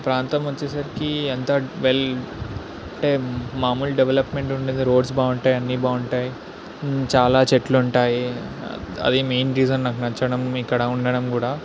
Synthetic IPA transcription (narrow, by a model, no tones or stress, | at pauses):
pɾaːnt̪ɐmʋot͡ʃːesɐɾikient̪ɐʋel | ɐɳʈe̞ːmaːmuːlɖeʋelɐpme̞ɳʈuɳʈund̪iɾoːɖsbaːuɳʈaːjɐnːibaːuɳʈaːji | t͡ʃaːlaːt͡ʃeʈluːɳʈaːjḭ | ɐ̰d̪imeːnɾiːd͡ʒɐnːaːkunɐt͡ʃːɐɽɐmikːɐɽɐuɳɖɐɽɐmkuːɽaː